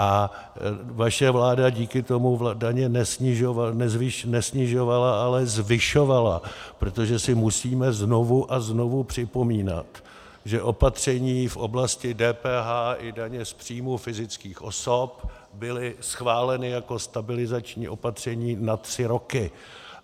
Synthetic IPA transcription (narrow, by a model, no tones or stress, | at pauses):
ʔa | vaʃɛvlaːdaɟiːkɪt̪o̞muvdaɲɛnɛsɪʒoanɛzvɪʃnɛsɲɪʒo̞valaʔalɛzvɪʃo̞valapɾo̞t̪o̞ʒɛsɪmusiːmɛzno̞vuʔazno̞vupr̥ɪpo̞miːna̰t̪ | ʒɛʔo̞pat̪r̝̥ɛɲiːfʔo̞̰blascɪdɛːpɛːɦaːʔɪdaɲɛspr̝̥iːmufɪzɪt͡skiːxʔo̞̰so̞p | bɪlɪsxvaːlɛnɪjako̞st̪abɪlɪzat͡ʃɲḭːʔo̞pat̪r̝̥ɛɲiːnat̪r̥ɪɾo̞kɪ